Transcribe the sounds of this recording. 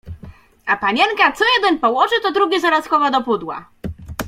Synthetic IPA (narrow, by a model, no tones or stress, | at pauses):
apaɲɛŋkat̪sɔjɛd̪ɛnpɔwɔʐɘt̪ɔd̪ɾuɡʲɛzaɾaskɔvad̪ɔpud̪wa̰